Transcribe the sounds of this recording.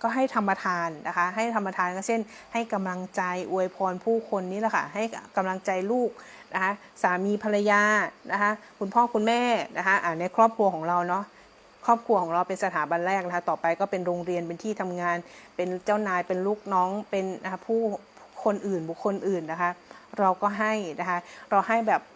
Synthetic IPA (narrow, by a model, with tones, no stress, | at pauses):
kɔː˥˩ɦa˥˩jt̪ʰa˧mːa˧t̪ʰaː˧nːa˦˥kʰa˦˥ʔɦa˥˩jt̪ʰa˧mːa˧t̪ʰaː˧nkɔː˥˩sʰe˥˩n | ha˥˩jka˧mla˧ŋt͡ɕa˧jʔu˧əjpʰɔː˧npʰuː˥˩kʰo˧nːiː˦˥lɛ˨˩kʰa̰˦˥˩ɦa˥˩jka˧mla˧ŋt͡ɕa˧jluː˥˩k̚ | na˦˥kʰa˦˥ | saː˩˦miː˧pʰa˧la˧jaː˧na˦˥kʰa˦˥ʔkʰu˧npʰɔː˥˩kʰu˧nmɛː˥˩nʔa˦˥kʰa˦˥ʔaː˨˩na˧jkʰɾɔː˥˩p̚kʰɾu˧ɐkʰɔː˩˦ŋɾa˧wnɔ˦˥ʔ | kʰɾɔː˥˩p̚kʰu˧kʰɔː˩˦ŋɾa˧wpe˧nsa˧t̪ʰaː˩˦ba˧nɾɛː˥˩k̚na˦kʰa˦˥t̪ɔː˨˩pa˧jkɔː˥˩pe˧nɾoː˧ŋɾi˧ənpe˧nt̪ʰiː˥˩t̪ʰa˧mŋaː˧npe˧nt͡ɕa˥˩wnaː˧jpe˧nluː˥˩k̚nɔː˦˥ŋpe˧na˦˥pʰuː˥˩ | kʰo˧nʔɯː˨˩nbu˨˩kʰːo˧nʔɯː˨˩nːa˦˥kʰa˦˥ɾa˧wkɔː˥˩ɦa˥˩jna˦˥kʰa˦˥ʔɾa˧wɦa˥˩jbɛː˨˩p̚